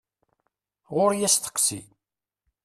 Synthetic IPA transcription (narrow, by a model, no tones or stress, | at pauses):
ʁʊɾjæst̪ə̥qːsḭ